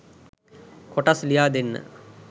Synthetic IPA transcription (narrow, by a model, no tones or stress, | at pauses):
koʈaslijaːd̪enːə̰